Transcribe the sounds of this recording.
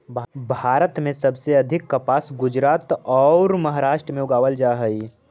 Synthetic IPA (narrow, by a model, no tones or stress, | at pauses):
bʱaːɾət̪mẽsɐbseɐd̪ʱɪkːɐpaːsɡʊd͡ʒɾaːt̪ɔːɾmɐɦaːɾaːʃʈɾəmẽʊɡaːʋəld͡ʒaːɦəiː